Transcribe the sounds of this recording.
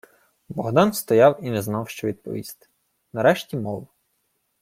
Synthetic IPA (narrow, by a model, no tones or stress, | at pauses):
bɔɦd̪ɑnst̪ɔjɑwinɛznɑwʃt͡ʃɔʋʲid̪̚pɔ̰ʋʲist̪ɪ̥ | nɐɾɛʃtʲimɔʋɐ